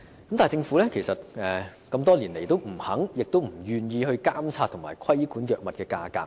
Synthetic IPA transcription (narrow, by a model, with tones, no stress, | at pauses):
kɐ˦mt̪aː˨˩jt͡sɪ˧ŋfuː˨˥lɛː˥kʰe˨˩jsɐ˨t̚ɛː˨˩kɐ˧mt̪ɔː˥liː˨˩nle˨˩jt̪o˥wm̩˨˩hɐ˨˥ŋjɪ˨k̚t̪o˥wm̩˨˩jyː˨njiː˧hɵ˧ɥkaː˥mt͡sʰaː˧t̪ʰʊ˨˩ŋmaː˨˩jkʰɐ˥jkuː˨˥njœː˨k̚mɐ˨t̚kɛː˧ka̰ː˧ka̰ː˧